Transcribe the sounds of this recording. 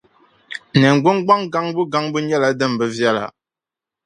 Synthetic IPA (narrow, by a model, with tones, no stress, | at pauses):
nɛ˨ŋ˨ɡ͡bu˦ŋɡ͡ba˦ŋɡa˦ŋbɨ˦ɡa˦ŋbɨ˦ɲɛ˦la˨dɨ˦˨m˨bə˦vja˦˨la̰˨